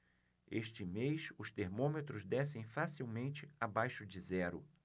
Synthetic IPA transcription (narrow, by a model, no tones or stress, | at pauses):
eʃt͡ʃɪmejsʊst̪eɾmõmet̪ɾʊzd̪ɛsẽj̃fasiwmẽnt͡ʃɪabajʃʊd͡ʒɪzɛɾʊ̰